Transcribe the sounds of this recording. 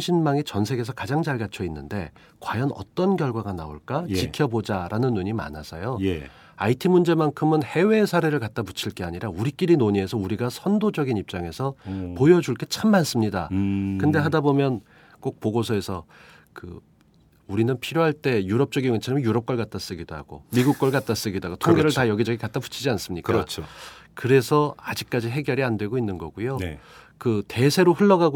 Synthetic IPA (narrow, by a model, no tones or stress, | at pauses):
ɕʰinmaŋit͡ɕʌnsʰe̞ɡe̞s̬ʰʌkad͡ʑaŋd͡ʑaɭɡat͡ɕʰʌinːɯnde̞ | kwajʌnʌ̰t͈ʌnkjʌɭɡwaɡana̰o̰ɭk͈at͡ɕikʰjʌbod͡ʑaɾʔanɯnːuɲima̰nasʰʌjoj | aitʰimund͡ʑe̞maŋkʰɯmɯnhe̞we̞ːsʰaɾe̞ɾɯɭkat͈̚aput͡ɕʰiɭk͈eaɲiɾauɾik͈iɾinoɲie̞sʰʌuɾiɡasʰʌndod͡ʑʌɡinip̚t͡ɕ͈aŋe̞sʰʌpojʌd͡ʑuɭk͈e̞t͡ɕʰamːans͈ɯmɲidakɯnde̞ɦadabomjʌn | k͈ok̚poɡosʰʌe̞sʰʌ | kɯ̰ | uɾinɯnpʰiɾjoɦaɭt͈e̞juɾʌp̚t͡ɕ͈ʌɡinet͡ɕʰaɾmjuɾʌp̚k͈ʌɭkat͈as͈ɯɡidoɦa̰ɡ̥o̰miɡuk̚k͈ʌɭɡat͈as͈ɯɡidoaɡotʰoŋɡeɾɯɭtajʌɡid͡ʑʌɡikat͈apu̥t͡ɕʰid͡ʑians͈ɯmɲik͈at͡ɕʰkɯɾe̞sʰʌad͡ʑik̚k͈ad͡ʑiɦe̞ɡjʌɾiandwe̞ɡoinːɯnɡʌ̰ɡujo | kɯte̞sʰe̞ɾoɸɯɭːʌɡaɡ